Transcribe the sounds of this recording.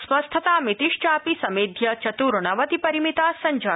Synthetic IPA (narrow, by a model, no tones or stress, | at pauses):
sʋɐst̪ʰɐt̪aːmit̪iʃt͡ʃaːpisɐmeːd̪ʱjɐt͡ʃɐt̪uɾɳɐʋɐt̪ipɐɾimit̪aːsɐɲd͡ʒa